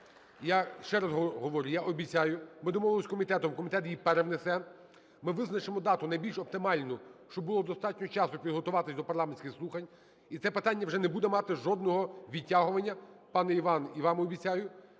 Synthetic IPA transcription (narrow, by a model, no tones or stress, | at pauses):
jaʃt͡ʃɛɾɐzɦɔɦɔʋɔɾʲʊjaʔɔbʲit͡sʲajʊmɪd̪ɔmɔʋɪlˠɔsʲkɔmʲit̪ɛt̪ɔmkɔmʲit̪ɛt̪jipɛɾɛʋnesɛ | mɪʋɪznɐt͡ʃemɔd̪ɑt̪ʊnɐjbʲilʲʃɔp̚t̪ɪmɑlʲnʊʃt͡ʃɔbʊlˠɔd̪ɔst̪ɑtʲnʲɔt͡ʃɑsʊpʲid̪ɦɔt̪ʊʋɑt̪ɪsʲd̪ɔpɐrlˠɑmenʲsʲkʲɪxslˠuxɐnʲ | it̪sɛpɪt̪anʲːɐwʒɛnɛbud̪ɛmɑt̪ɪʒɔd̪̚nɔɦɔʋʲitʲːaɦʊʋɐnʲːɐpɑnɛiʋɑniʋɑmɔbʲit͡sʲajʊ